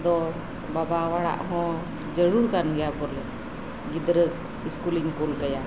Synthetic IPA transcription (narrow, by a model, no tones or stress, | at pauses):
d̪ɔ | babawaɽa̰ʔɦɔ̃ | d͡ʒəɽuɾkanjabɔlɛ | ɡid̪ɾək̚ | iskuliŋkulkəja